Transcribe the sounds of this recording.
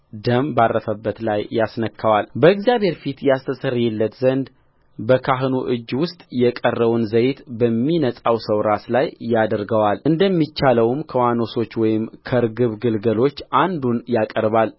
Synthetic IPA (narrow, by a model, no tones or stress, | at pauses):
d̪əmbarːəsəbːət̪lajːasnəkʰːawalbəɨɡzjabhe̞ɾfit̪jɛast̪ʰəsəriɛlːət̪zənd̪ | bəkʰaɦɨnuʔɨd͡ʒːwʊst̪ʼjɛkʼərːəβunzəjt̪bəmːinəsʼawsəwɾaslajːad̪əɾɡəwalɨnd̪əmːit͡ʃːaləwmkʰəwano̞so̞t͡ʃːwɔjɪmkʰəɾɡɨβɡɨlɡəlo̞t͡ʃːʔand̪unjakʼəɾβal